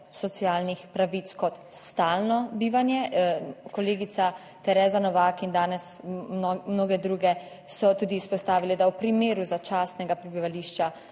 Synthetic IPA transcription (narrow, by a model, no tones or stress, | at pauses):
sɔt̪siaːlnixpɾaʋit̪skɔt̪st̪aːlnɔbiːʋanjɛkɔleːɡit̪sa | t̪ɛɾɛːzanɔʋakind̪aːnɛs | mnoːɡɛd̪ɾuːɡɛ | sɔt̪uːd̪iːspɔst̪aːʋilɛd̪awpɾimeːɾuzat͡ʃaːst̪nɛɡapɾɛbiʋaliːʃt͡ʃa